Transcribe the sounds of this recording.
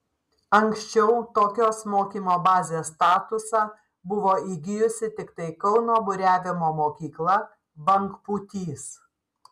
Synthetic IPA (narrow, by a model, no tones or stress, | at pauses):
ɐŋʲksʲt͡ʃʲɛʊt̪oːkʲoːsmoːkʲiːmoːbɑːzʲeːst̪ɑːt̪ʊsɑː | bʊʋoːiːɡʲɪjʊsʲɪt̪ʲɪkt̪ɐɪkɒʊnoːbʊɾʲæːʋʲɪmoːmoːkʲiːklˠɐ | bɐŋkput̪ʲiːs